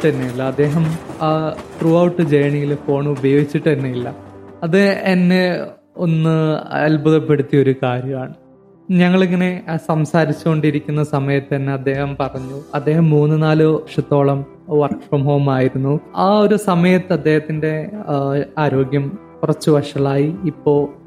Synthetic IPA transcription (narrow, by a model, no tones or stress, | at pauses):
ʈːɐɾnːilːɐːd̪ːe̞ːɦɐm | ʈruːɐwʈːɨd͡ʑejɳijilfo̞ːɳɨubɐjo̞ːɡit͡ɕːiʈːɐɾunːɐilːɐɐðɨenːe | o̞nːɨelbɐðɐpːeɽut̪ːijɐo̞ɾukaːɾjɐmaːɳɨ | ɲɐŋːɐɭeŋːɐne̞sɐmsaːɾit͡ɕːuko̞ɳɖiɾikʲːunːɐsɐmɐjɐt̪ːɨɐnːeɐd̪ːe̞ːhɐmpɐrɐɲːuɐd̪ːe̞ːɦɐmːuːnːɨnaːlɨʋɐʂɐt̪ːo̞ːɭɐm | ʋɐrkʂoːmɦoːmaːjiɾunːuaːo̞ɾusɐmɐjɐt̪ːɨɐd̪ːe̞ːhɐt̪ːinde̞ | aːɾo̞ːɡjɐm | kurɐt͡ɕːɨʋɐʂɐɭaːjiːpːo̞ː